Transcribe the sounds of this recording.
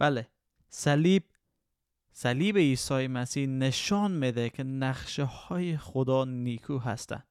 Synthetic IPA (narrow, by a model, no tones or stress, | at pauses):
b̥æle | salib̚ | salibeiːsɒːjemæsihneʃɒnmed̪ekʰenæχʃehɒːjeχod̪ɒnikʰuɦæ̰st̪æ̰n